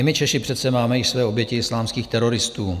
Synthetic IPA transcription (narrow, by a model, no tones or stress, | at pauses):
mɪt͡ʃɛʃɪpr̥ɛt̪sɛmaːmɛjɪʃsvɛːo̞bjɛcɪɪslaːmskiːxt̪ɛɾo̞ɾɪst̪uː